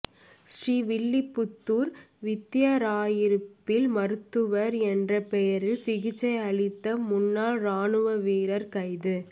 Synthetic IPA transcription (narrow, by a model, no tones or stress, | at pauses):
sriːʋɪɭːɪpːʊt̪ːuːɾ | ʋɪt̪ːjɐɾaːjɪɾɯppːɪlmɐɾɯt̪ːɯʋɐɾɛndrɐpɛjɐɾɪlsɪɣɪt͡ʃːɐɪɐɭɪt̪ːɐmʊnːaːlɾaːnɯʋɐʋiːɾɐɾkɐɪðɯ